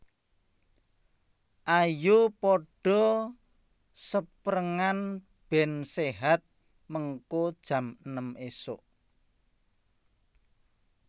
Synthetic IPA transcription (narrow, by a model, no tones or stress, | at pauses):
ʔajupɔɖ̥ɔ̤ | səpɾəŋan | b̥ɛnseɦat̪̚ | məŋkod̥ʒ̥ä̤mənəmesoʔ